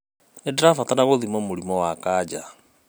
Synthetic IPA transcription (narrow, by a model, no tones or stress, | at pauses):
edeɾafatanaɣoðimɔmoɾimɔwakaːd͡ʒa